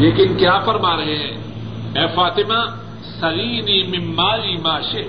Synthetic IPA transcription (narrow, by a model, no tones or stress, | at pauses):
leːkɪnkjaːfɐɾmaːɾɐɦeɦɛ̃ː | ɛːfaːt̪ɪmaː | sɐɣiːniːmɪmːaːliːmaːʃɪ